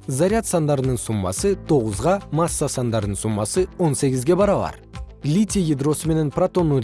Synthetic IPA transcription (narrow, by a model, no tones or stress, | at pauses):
zaɾʲiat̪sɑnd̪ɑɾənəɴsumːɑ̰sət̪ʰo̞ʁəzʁɑmɑsːasɑnd̪ɑɾənəɴsumːɑsəwo̞nse̞ɡʲɪzɡʲe̞bɑɾɑlˠɑ̰ɾ | lʲit̪ʲijid̪ɾo̞səme̞nenprat̪o̞nːu